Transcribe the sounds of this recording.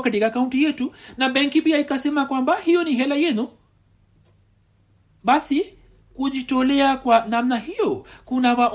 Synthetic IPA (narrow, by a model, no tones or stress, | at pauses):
katikakauntijɛtunaɓɛŋkipiaikasɛmakwambahijɔniɦɛlajɛnu | ɓasi | kuʄitɔlɛakwanamnahijɔkunavaʔ